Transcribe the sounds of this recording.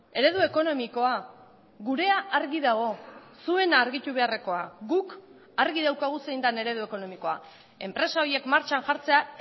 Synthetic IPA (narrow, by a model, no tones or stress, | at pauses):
e̞ɾe̞ðue̞ko̞no̞miko̞a | ɣuɾe̞aʔaɾɣiðaɣ̞o̞sue̞naːɾɣit̪uβ̞e̞are̞ko̞aɣuk | aɾɣiðawkaɣ̞use̞jnd̪ane̞ɾe̞ð̞ue̞ko̞no̞miko̞a̰ | e̞mpɾe̞sao̞ie̞kmaɾt͡ʃanʝaɾt͡se̞a